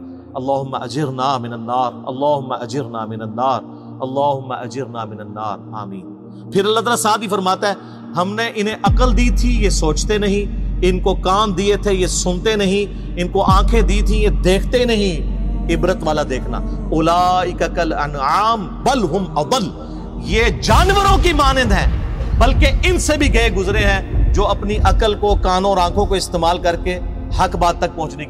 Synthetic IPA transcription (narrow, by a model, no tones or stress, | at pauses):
ɐlːaːɦʊmːaʔɐd͡ʒɪɾnaːmɪnɐnːaːɾɐ̰lːaːɦʊmːaʔɐd͡ʒɪɾnaːmɪnənːaːɾ | ɐlːaːɦʊmːa̰ʔɐd͡ʒɪɾnaːmɪnənːa̰ːɾa̰ːmiːn | pʰɪɾɐlːaːt̪aːlasaːd̪ifɐɾmaːt̪aɦɛː | ɦɐmneʔɪnẽʔɐqəld̪iːt̪ʰijesoːt͡ʃt̪enɐɦĩɪnkokaːmd̪iet̪ʰejesʊnt̪enɐɦĩ | ɪnkoʔãːkʰẽd̪iːt̪ʰĩjed̪eːkʰt̪enɐɦĩɪbɾət̪ʋaːlad̪eːkʰna̰ːʊlaːɪkəkələ̰naːm | bəlɦʊmɐd̪əl | jeːd͡ʒaːnʋəɾõkimaːnɪd̪ɦɛ̃ːbɐlkeɪnsebʱiɡɐeɡʊzɾeɦɛ̃ːd͡ʒoːɐpniʔɐkəlkokaːnõɔːɾãːkʰõkoɪst̪eːmaːlkɐɾke | hɐkbaːd̪̚t̪ɐk̚pɐ̃ɦʊ̃t͡ʃnekː